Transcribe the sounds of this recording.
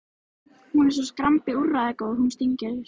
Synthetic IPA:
hunɛɾ̥s̬ɔskɾampɪurːaðɛkoːɣhunst̪iɲcɪɾ

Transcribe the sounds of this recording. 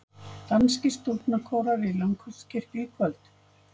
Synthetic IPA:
t̪anscɪst̪uɾt̪nakʰɔːwɾaɾɪlœŋkʰœ̥cʰɪr̥t̪iːkʰvœlt̪

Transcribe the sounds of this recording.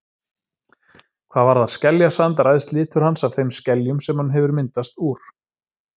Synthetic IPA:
kʰv̥aːðvaɾðað̥scɛljasant̪aɾajðst̪lɪːt̪ʏɾ̥hansavθejmscɛljʏmsɛmhanːɦɛvʏɾmɪnt̪ast̪uːɾ̥

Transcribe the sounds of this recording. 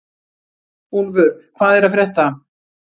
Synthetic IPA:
hunvʏɾkʰvaːðɛɾaðfɾjɛht̪a

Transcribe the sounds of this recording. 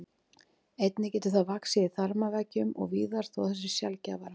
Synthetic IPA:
ejt̪nɪcɛːt̪ʏθavaksɪɪθaɾmavɛcʏmɔ̰ɣviːðaɾ̥θawθɛs̬ːɪ̥sjalcavaɾ

